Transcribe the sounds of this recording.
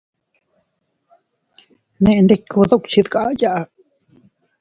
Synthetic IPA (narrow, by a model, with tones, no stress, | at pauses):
nẽ˧ʔnd̪e˧kʰu˧ðo˦kʷt͡ʃi˧ðka˦˧ja˦ʔa˧